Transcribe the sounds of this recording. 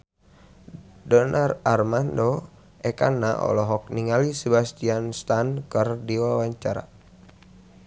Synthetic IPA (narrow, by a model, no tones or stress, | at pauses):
dɔnʔararmando | ʔɛka̰nːa̰ʔɔ̰lɔɦɔk̚niŋalisəbast̪ianst̪ankərdiwawaɲt͡ʃaɾa̰